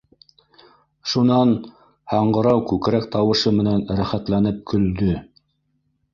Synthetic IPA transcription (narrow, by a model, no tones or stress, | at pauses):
ʃunɑn | hɑɴɢɤ̆ɾɑwkʉkɾækt̪ɑwɤ̆ʃɤmɘ̆nænɾæχæt̪lænɘp̚kɵ̆ld̪ɵ